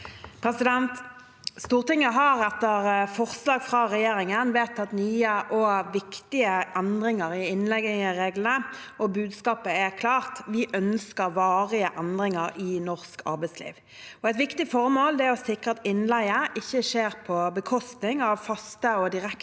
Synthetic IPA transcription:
pʰɾɛsɪd̪ɛnt̪ | st̪uːʁt̪ɪŋːəɦɑʁɛt̪ːəʁfɔʁslɑːɡfɾʁɑːʁɛjeːɾɪŋənʋeːt̪ːɑt̪nyːəʔɔʋɪkt̪ɪəʔɛnd̪ʁɪŋəɾɪɪnlɛɡɪəʁeːɡlənə | ɔbʉːd̪skɑːpəɛʁkʰlɑːʁt̪ʋɪʔœnskəɾʋɑːʁɪəʔɛnd̪ʁɪŋəɾɪnɔʁskʰɑ̰ɾbæɪslḭːʋ | ɔɛɪt̪̬ʋɪkt̪ɪfɔʁmoːld̪ɛæɔsɪkʁəɑt̪ɪnlæɪəʔɪçːəʂeːʁpʰɔbəkʰɔst̪nɪŋɑʋfɑst̪əɔd̪ɪʁɛk

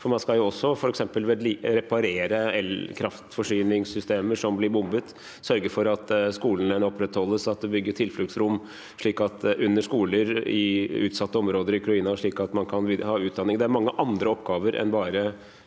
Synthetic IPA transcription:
fɔɾmɑnskɑljʊɔsːɔfɔɾɛksɛmpəlʋed̪liɾɛpɑɾeːɾəɛlkʰɾɑft̪fɔʂyːnɪŋsːʏst̪eːməʂɔmblɪɾbʊmbət̪ | sœɾɡəfɔɾɑt̪skuːlnɛnɔpːɾɛt̪hɔlːəsɑt̪̚d̪ɛbʏɡːəʈʰɪlflʉɡsɾʊmː | ʂɭiːkɑt̪ʉnːəʂkuːləɾɪʉːt̪sɑt̪ːəɔmɾoːd̪əɾɪʊkʰɾɑiːnɑʂɭiːkɑt̪mɑnkʰɑnʋiːhɑːʉːt̪̚d̪ɑnːɪŋd̪ɛæɾmɑŋːəʔɑnd̪ɾəɔpːɡɑːʋəɾʔɛ̰nbɑːɾə

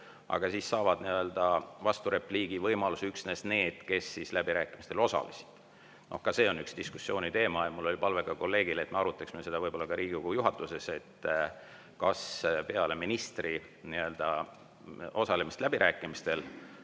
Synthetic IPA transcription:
ɑ̰ɡ̥ɑsiːsːɑːvɑd̪̥niø̞ld̪̥ɑvɑst̪uɾe̞pliːɡ̥ivɤjmɑlusyksne̞sne̞ːd̪̥ke̞sːislæbiɾæːkːˑimist̪e̞lo̞sɑ̰lisi̥d̪̥ | no̞̰hkɑse̞ːo̞nyksdt̪isku̥sːjo̞ːnʲit̪e̞ːmɑjɑmulːo̞lʲipɑlve̞ɡ̥ɑko̞lːe̞ːɡ̥ile̞t̪meɑɾut̪ːˑɑksimese̞d̪ɑvɤjb̥olːɑkɑɾiːɡikujuɦɑt̪ːˑuse̞se̞t̪ː | kɑspe̞ɑle̞minist̪ri | niø̞ld̪̥ɑ | o̞sɑlemist̪læb̥iɾʔæːkːˑimist̪e̞l

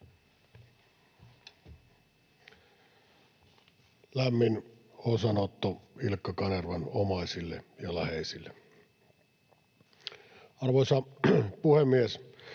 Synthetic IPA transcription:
læmːinonsɑnot̪ːuilkːɑkɑnerʋɑno̰mɑˑisilːḛjɑlæheˑisilːe | ɑrʋoisɑpuhemːies

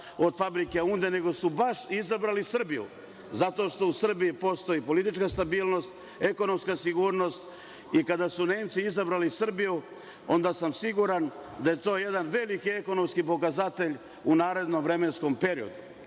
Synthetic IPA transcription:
o̞d̪fabɾike̞und̪ene̞ɡo̞subaʃizabɾalisr̩bijṵ | zat̪o̞ːʃt̪o̞usr̩biipo̞st̪o̞ipo̞lit̪it͡ʃkast̪abiːlˠno̞st̪ | e̞ko̞no̞mskasiɡuːɾno̞st̪ | ikad̪asune̞ːmt̪siizabɾalisr̩biju | o̞̰nd̪asamsiɡuɾand̪aje̞t̪o̞ːjed̪anʋe̞likie̞ko̞no̞mskipo̞k̬azat̪e̞ʎ | unaːɾe̞d̪nomʋɾe̞me̞nsko̞mpe̞ɾio̞̰d̪u

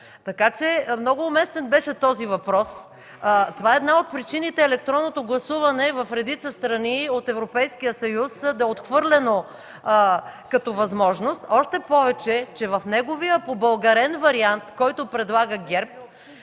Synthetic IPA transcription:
t̪ɐkat͡ʃɛmnɔɡʊːmɛst̪ɛnbɛʃɛt̪ɔzivɐpɾɔs | t̪ovaɛd̪naot̪̚pɾit͡ʃinit̪ɛːlɛk̚t̪ɾɔnːot̪oɡlˠɐsuvɐnɛvɐfɾɛd̪it̪səst̪ɾɐniot̪ɛvɾopɛjsk̟ijəsɐjusd̪ɐot̪xvɤɾlɛno | kɐt̪ɔvɐzmɔʒnost̪ɔʃt̪ɛpɔvɛt͡ʃɛt͡ʃɛvɐfnɛɡovijəpobɐlˠɡɐɾɛnvɐɾiant̪kɔjt̪ʊpɾɛd̪lˠaɡəɡʲɛɾp

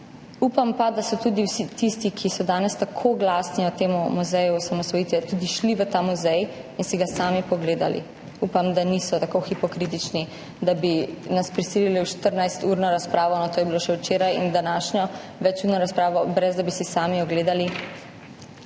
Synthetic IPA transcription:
upampad̪asɔt̪ud̪iwsit̪ist̪ikʰisɔd̪aːnɛst̪akʰoɡlaːsniɔt̪eːmumuzɛjuɔsamɔsʋɔjit̪ʋɛt̪ud̪iʃliʋət̪amuzɛjinsiɡasaːmipɔɡleːd̪a̰lḭ | uːpamd̪aniːsɔt̪akoxipɔkɾit̪̬it͡ʃni | d̪abinaspɾisililiwʃt̪əɾnajst̪uɾnɔɾaspɾaːʋɔnɔt̪oːjɛbiloʃɛwt͡ʃeːɾajḭnd̪anaːʃɲɔ | ʋɛt͡ʃuɾnɔɾaspɾaːʋɔbɾɛzd̪abisisaːmiɔɡleːd̪ali

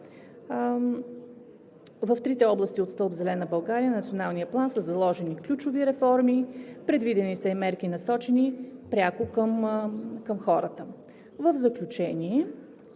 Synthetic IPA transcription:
vəft̪ɾit̪ɛɔblˠəst̪iot̪st̪ɤlˠbzɛlɛnəbɐlˠɡaɾijənɐt̪sionalˠnijəplˠansəzɐlˠɔʒɛniklʲut͡ʃʊviɾɛfɔɾmipɾɛd̪vid̪ɛnisəimɛɾkinɐsɔt͡ʃɛnipɾʲakʊkəmkəmxɔɾət̪ə | vəvzəklʲut͡ʃɛniɛ

